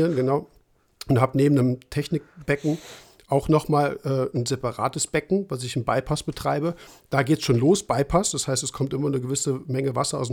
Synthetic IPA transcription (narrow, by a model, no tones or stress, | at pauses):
ənɡənaʊ | ʊnthaːbəneːbm̩nəmtʰɛçnɪk̚b̥ɛkŋ̩ | ʔaʊxnɔχmaːlʔɛːnzɛpaʁa̰ːtəsb̥ɛkŋ̩vas̬ɪçɪmbaɪpʰasb̥ətʁ̥aɪbəd̥aːɡeːtsʃoːnloːsb̥aɪpʰasd̥ashaɪstɛskʰɔmtʔɪmɐnəɡəvɪsəmɛŋəvasɐa̰ʊs̬